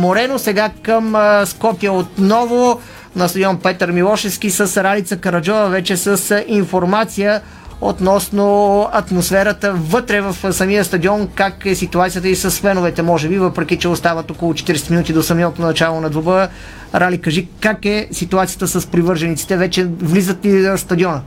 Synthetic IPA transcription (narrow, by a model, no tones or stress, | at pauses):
moɾɛnosɛɡakəmskɔpijəot̪nɔvo | nɐst̪əd̪iɔnpɛt̪əɾmilˠɔʃɛfskʲisəsɾalit̪səkɐɾɐd͡ʒɔvəvɛt͡ʃɛsəsinfoɾmat̪sijə | ot̪nɔsnoɐt̪mosfɛɾət̪əvɤt̪ɾɛvɐfsɐmiəst̪ɐd̪iɔnkakɛsit̪uat̪sijət̪əisəsfɛnovɛt̪ɛmɔʒɛbivəpɾɛk̟ʲit͡ʃɛost̪avət̪okolˠot͡ʃɛ̥t̪iɾɛsɛt̪minut̪id̪osɐmiɔt̪nonɐt͡ʃalˠonɐd̪vobə | ɾʔalikɐʒikakɛsit̪uat̪sijət̪əsəspɾivɤɾʒɐnit̪si̥t̪ɛvɛt͡ʃɛvlizət̪liəst̪ɐd̪iɔnə